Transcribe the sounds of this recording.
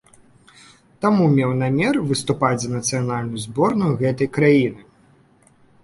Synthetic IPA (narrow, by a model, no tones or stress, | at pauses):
t̪amumʲɛwnamʲɛrvɨst̪upad͡zʲzɐnɐt̪sɨjanalʲnʊjuzbɔrnujuɣɛt̪ɐjkɾajinɨ